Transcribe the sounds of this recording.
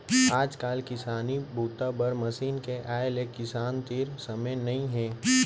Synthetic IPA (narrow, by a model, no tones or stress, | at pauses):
aːd͡ʒkaːlkɪsaːnibʱuːt̪abɐɾmɐsiːnkeʔaːlekːɪsaːnt̪iːɾsɐməjnɐɦĩɦɛ̃ː